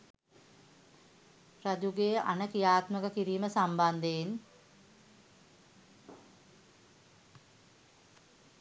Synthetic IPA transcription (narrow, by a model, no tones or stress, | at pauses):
rad͡ʒuɡeʔa̰nəkijaːt̪məkəkiɾiːməsamband̪ein